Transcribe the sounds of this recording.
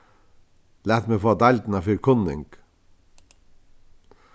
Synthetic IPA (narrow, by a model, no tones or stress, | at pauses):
læːt̪mefoːd̪æld̪n̩ɑfyːɾkʰʊnːɪ̰ŋɡ̥